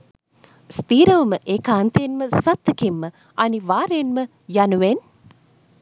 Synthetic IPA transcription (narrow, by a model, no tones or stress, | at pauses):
st̪iːɾəʋəməʔeːkaːnt̪ejenməsat̪ːəkimːə | aniʋaːɾejenmə | januʋen